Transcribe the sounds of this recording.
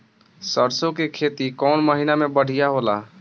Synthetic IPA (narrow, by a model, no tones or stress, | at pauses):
səɾsokekʰet̪ikɔnməɦinamebəɽ̤ʱijaɦola